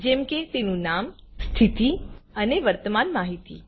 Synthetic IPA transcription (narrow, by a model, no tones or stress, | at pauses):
d͡ʒɛ̃mket̪enũnam | st̪ʰit̪iəneʋəɾt̪əmanmaɦit̪ḭ